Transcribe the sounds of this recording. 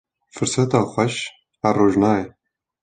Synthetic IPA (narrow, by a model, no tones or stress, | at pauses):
fɨɾsɛt̪ɑːxʷɛʃ | hæroːʒnɑːjɛ